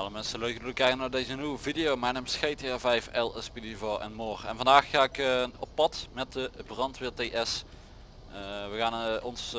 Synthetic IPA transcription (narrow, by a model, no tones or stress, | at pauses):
ɑlˠəmɛnsəløɥkəduləkɛjkənaːɹdejzəniwəvidejowmajnɛmsxejteɛvɛjfɛlˠəspidivɔɹɛ̰nmoːrɛ̰nvɑndaːxːaːɪkɔpːɑtmɛt̚dəbrɑntʋɪːɹteːʔɛs | ʋəɣaːnɔns